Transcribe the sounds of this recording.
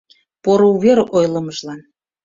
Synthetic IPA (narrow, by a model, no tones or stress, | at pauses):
poɾouβeɾʔojlˠəməʒlɑn